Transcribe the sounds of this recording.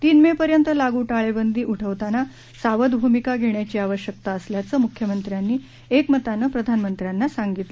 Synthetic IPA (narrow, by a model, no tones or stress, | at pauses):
t̪iːnmepəɾjənt̪əlaɡuʈaɭebənd̪iːʔuʈʰəʋt̪ana | saʋəd̪bʱumikaɡʱeɳjat͡ɕiːaʋəɕjək̚t̪aəsljat͡səːmukʰjəmənt̪ɾjanːiː | ekmət̪anəpɾəd̪ʱanmənt̪ɾjanːasaŋɡit̪le